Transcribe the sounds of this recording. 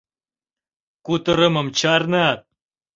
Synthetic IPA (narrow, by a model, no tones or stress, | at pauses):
kut̪əɾəməmt͡ɕʰaɾnat̪̚